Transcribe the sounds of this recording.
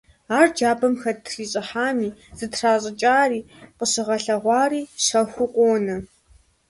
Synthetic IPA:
aːrd͡ʒaːbɐmxɐtʰriːɕʼɪħaːmiːz̥ɨtʰraːɕʼɪt͡ʃʼaːriː | qəɕɪʁɐɬɐʁʷɑːriːɕɐxʷʊqʷʼoːnɐ

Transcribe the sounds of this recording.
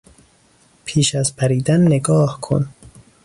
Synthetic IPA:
pʰiːʃæzpʰæɾiːd̪ænːeɡɒːhkʰo̰n

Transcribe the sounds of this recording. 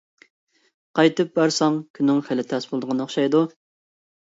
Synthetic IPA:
qɑjt̪ɨp̚bæɾsɑŋkʲʰynːɪŋχɪlɪt̪ʰɛsbʊlˠd̪əʁnɨoχʃɑjd̪u

